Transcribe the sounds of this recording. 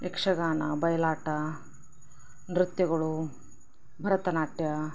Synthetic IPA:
ekʂɐɡaːnɐbɐjɐlaːʈɐ | nɾut̪jɐɡɐɭu | bʱɐɾɐt̪ɐnaːʈjɐ

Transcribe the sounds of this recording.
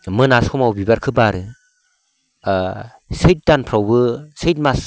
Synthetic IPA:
mɯnaskʰɔmawbibaɾkʰɯbaɾɯ | sɯjt̚danpʰɾawbɯsɯjt̚mas

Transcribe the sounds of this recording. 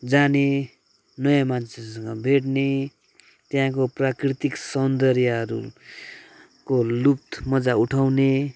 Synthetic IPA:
d͡zane | nʌjãmant͡sʰesʌŋɡʌbʱeʈne | t̪jãkoprakrit̪iksʌnd̪ʌrjʌɦʌɾṵ | kolup̚t̪mʌd͡zauʈʰawne

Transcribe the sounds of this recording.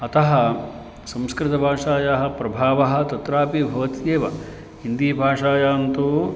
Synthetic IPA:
ɐt̪ɐɦɐ | sɐ̃mskɾɪt̪ɐbʱaːʂaːjaɦɐ̆pɾɐbʱaːʋɐɦɐ̆t̪ɐt̪ɾaːpibʱɐʋɐt̪jeːʋɐ | ɦind̪iːbʱaːʂaːjaːnt̪u

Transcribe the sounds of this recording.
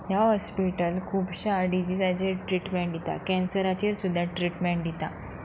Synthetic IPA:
ɦjaɦɔspiʈəlkʰuːpɕaɖid͡ʑisad͡ʑeʈɾiːʈmeɳʈd̪it̪a̰kɛ̃nsəɾat͡ɕeɾsud̪ʱːjaʈɾiʈmeɳʈd̪it̪a

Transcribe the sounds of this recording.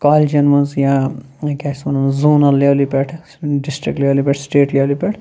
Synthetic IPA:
kaːlʲd͡ʒɐnmɐnzjãkʲaːsmɐnɐnzuːnɐleʋlipɛʈʰ | ɖisʈɾik̚ʈleʋlipʲeʈʰsʈeːʈleʋlipʲɛʈʰ

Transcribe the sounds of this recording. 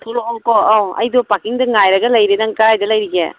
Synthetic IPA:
t̪ʰoloɔŋkɔawɐ̰jdopakiŋdɐŋajɾɐɡɐlɐjɾenaŋkɐɾajdɐlɐjɾiɡe

